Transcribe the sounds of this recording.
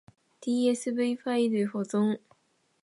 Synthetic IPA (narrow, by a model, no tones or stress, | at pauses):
t̪ijɛs̩peɪfailefɔt͡sʊŋ